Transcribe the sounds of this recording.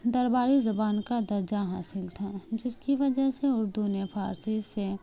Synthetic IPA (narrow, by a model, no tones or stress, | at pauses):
d̪ɐɾbaːɾizɐbaːnkad̪ɐɾd͡ʒaɦaːsɪlt̪ʰad͡ʒɪskiʋɐd͡ʒəɦseʊɾd̪unepʰaːɾsise